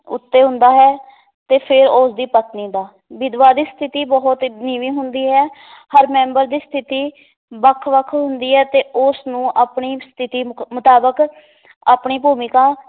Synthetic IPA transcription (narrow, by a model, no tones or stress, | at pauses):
ʊ̰t̪ːeːɦʊ̃nd̪aːɦɛː | t̪eːpʰɪɾoːsd̪iːpət̪niːd̪aː | ʋɪd̪ʋaːd̪iːst̪ʰɪt̪iːbɔɦʊt̪niːʋiːɦʊnd̪iːɦɛːhəɾmɛ̃ːmbəɾd̪iːst̪ʰɪt̪iː | bəkʰʋəkʰɦʊnd̪iːɦɛːt̪eːʊsnũːʔaːpɳiːst̪ʰɪt̪iːmʊt̪aːbək | aːpɳiːbuːmikãː